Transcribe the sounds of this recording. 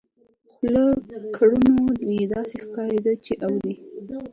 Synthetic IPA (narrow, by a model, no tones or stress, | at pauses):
xləkʰaɽunojed̪ɑsexkɑɾed̪ət͡ʃeʔawli